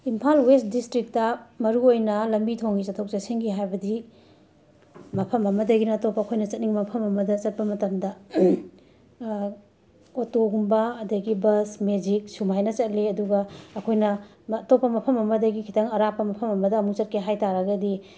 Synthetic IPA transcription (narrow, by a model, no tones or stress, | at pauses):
impʰalwest̚distɾik̚tɐmɐɾuojnɐlɐmbitʰoŋɡit͡ʃɐtʰok̚t͡ʃaseŋɡiɦajbɐdi | mɐpʰɐmɐmɐdɐɡinɐtopːɐːkʰojnɐt͡ʃɐt̚niŋmɐpʰɐmɐmɐdɐt͡ʃɐt̚pɐmɐtɐmdɐ | otoɡumbɐɐdɐɡibɐsmed͡ʒik̚sumajnɐt͡ʃɐt̚liɐduɡɐːkʰojnɐː | topːɐmɐpʰɐmɐmɐdɐɡikʰi̥tʰɐŋɐɾapːɐmɐpʰɐmɐmɐdɐːmut͡ʃɐt̚kʰeɦajtaɾɐɡɐdi